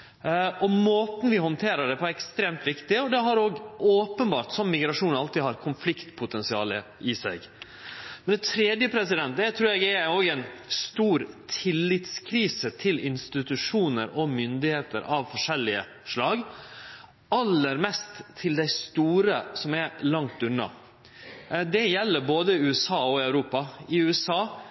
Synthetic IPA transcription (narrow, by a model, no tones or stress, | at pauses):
ʔɔmoːt̪n̩ʋɪhɔnt̪ʰeːɾəɖɛpʰɔɛkst̪ɾeːmt̪ʋɪkt̪ɪɔd̪ɛɦɑɾoːɡʔoːpənbɑːɾʈ̪sɔmːɪɡɾɑʂuːnɑlt̪ɪːhɑɾkʰʊnflɪkt̪pʰʊt̪ʰɛnsɪɑːləɪsæ̰ɪɡ | mɛnɛt̪ʰɾeːd̪jəpʰɾɛs̬ɪd̪ɛnt̪̚d̪æt̪ʰɾʉːɾjɛɡɛoːɡɛɪnst̪uːɾt̪ʰɪlːɪt̪skʰɾiːsət̪ʰɪlɪnst̪ɪt̪ʉʂuːnəɾɔmʏnd̪ɪheːt̪ə̰ɾʔɑʋfɔʂɛlːɪə | ʂlɑːɡ | ɑlːəɾmɛst̪ʰːɪld̪æɪst̪uːɾəsɔmɛɾlɑŋt̪ʉnːɑ̰ | d̪ɛjɛlːəɾboːd̪əɪʉːɛsɑːɔɪɑʉɾuːpɑɪʉɛsɑː